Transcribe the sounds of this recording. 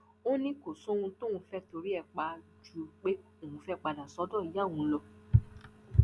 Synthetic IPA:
o˦nĩ˦ko˨sõ˦˧ũ˧to˦ũ˧fɛ˦to˧ɾi˦ɛ˦˨k͡pa˨˦d͡ʒu˦o˧k͡pe˦ | e˨ũ˧˦fɛ˦k͡pa˧da˨sɔ˨˦dɔ̃˦˨i˨˦ja˦˨w̃ũ˧˦lɔ˧

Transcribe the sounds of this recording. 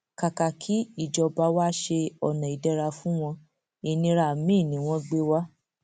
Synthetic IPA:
ka˨ka˨kʰi˨˦i˦˨d͡ʒɔ˧ba˧˦wa˦ʃe˧ɔ˨nã˨i˨dɛ˦ɾa˧fũ˦w̃ɔ̃˧ | i˨˧nĩ˧ɾa˨mĩ˦˨nĩ˨˦w̃ɔ̃˦ɡ͡be˦wa˦

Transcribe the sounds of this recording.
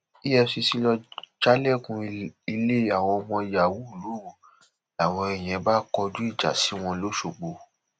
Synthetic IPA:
i˦ɛ˧si˧si˦lɔ˧d͡ʒa˦lɛ˦˨kũ˧i˧le˦a˨w̃ɔ̃˧ɔ˧mɔ̃˧˨ja˨wu˦u˦˨lu˨˦˨ | a˨w̃ɔ̃˧ɛ˨j̃ɛ̃˨˧˦ba˦kɔ˧d͡ʒu˦i˦˨d͡ʒa̰˨si˨˦w̃ɔ̃˧lo˦ʃo˨ɡ͡bo˧

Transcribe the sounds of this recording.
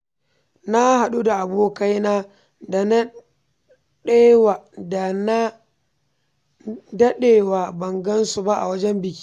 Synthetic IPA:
na˦ha˨ɗu˦da˨ʔa˨boː˦ka˦jnaː˦ | da˨n˦ | ɗe˦wa˨da˨na˦ | dɐ˦ɗeː˦˨waː˨bɐ˨ŋɡɐ˦nsu˨ba˦ʔa̰˨wɐ˦d͡ʒɛ˦mbɪ˨kʲi̥˦

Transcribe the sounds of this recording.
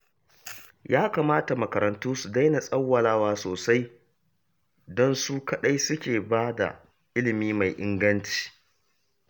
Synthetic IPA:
jaː˦kaː˨maː˦ta˨mɐ˨kɐ˨ɾɐ˨ntuː˦su˨da˦jna˨sʼɐ˦wːɐ˨laː˦waː˦˨soː˨sa˦j | dɔ˦nsu˦kɐ˨ɗa˦jsʊ˦kʲeː˨baː˦da̰˨ | ʔɪ˦lɪ˨miː˦ma˨jʔɪ˦ŋɡɐ˦nt͡ʃi̥ː˨

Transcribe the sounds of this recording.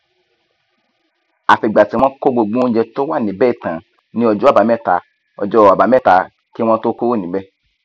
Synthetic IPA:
a˨fi˨ɡ͡ba˨ti˨˦w̃ɔ̃˦ko˦ɡ͡bo˧ɡ͡bõ˦d͡ʒɛ˧to˦wa˦˨nĩ˨˦bɛ˦i˦˨tã˨ | nĩ˦ɔ˧d͡ʒɔ˦a˦˨ba˨˦mɛ˦˨ta̰˨˧˦ | ɔ̰˧d͡ʒɔ˦a˨ba˨˦mɛ˦˨ta˨˦ | ki˦w̃ɔ̃˦to˦ko˦wo˦˨nĩ˨˦bɛ˦

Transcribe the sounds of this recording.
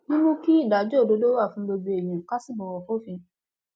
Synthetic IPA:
nĩ˦nũ˦ki˦i˦˨da˨˦d͡ʒo˦˨do˨˦do˦wa˦˨fũ˧˦lo˧be˧˨e˨mĩ˨ka˦si˦˨bɔ̃˨wɔ˨ko˦fĩ˧

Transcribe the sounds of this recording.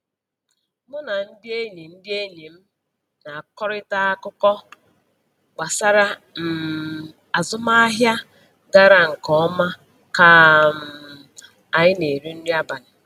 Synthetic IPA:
mʊ˦na˨n̩˦dɪ˦e˦li˨n̩˦dɪ˦e˦li˨m̩˦ | na˨a˨kɔ˦ɾɪ˦ta˦a˦kʊ˦kɔ˦ | ɡ͡ba˨sa˦ɾa˦m̩˨ | a˨zʊ˦ma˦a˦ɦja˦ | ɡa˦ɾa˨ŋ̩˨kɔ˦ɔ˦ma˦ | ka˦m̩˨ | a˨ɲɪ˦ne˨ɾu˦n̩˦di˦a˦ba˨nɪ˨

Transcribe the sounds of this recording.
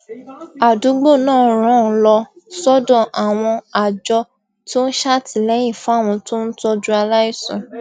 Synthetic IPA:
a˨du˨˦ɡ͡bo˦˨nãː˦˨˦ɾ̃ã˦˨˦lɔ˧ | sɔ˦dɔ̃˦˨ʔa˨w̃ɔ̃˧a˨d͡ʒɔ˧ | to˦ñ̩˦ʃa˦ti˨lɛ˨˦j̃ĩ˦˨fũ˨˦a˦˨w̃ɔ̃˧to˦n̩˦tɔ˦d͡ʒu˦a˧la˦i˦˨sɔ̰̃˨

